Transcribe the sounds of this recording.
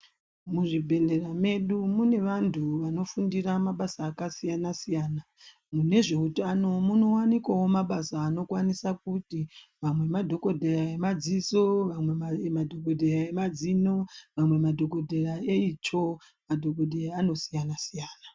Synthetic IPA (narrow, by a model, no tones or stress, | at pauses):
muʐibʱe̞le̞rame̞ɗumune̞ʋantʰuʋano̞fundiramaɓasaːkasijanasijaːna | mune̞ʐe̞utano̞muno̞wanikwawo̞maɓasaːno̞kwanisak̚utiʋamwe̞madʱo̞ko̞dʱeraemad͡ziso̞ʋamwe̞mamadʱokodʱeraemad͡zino̞ʋamwe̞madʱo̞ko̞dʱeraeit͡ʃo̞ | madʱo̞kodʱejaano̞sijanasijaːna